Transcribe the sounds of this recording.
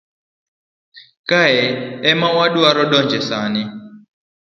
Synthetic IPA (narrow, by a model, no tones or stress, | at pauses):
kaɛɛmawaɗuaɾɔɗɔnd͡ʒɛsanɪ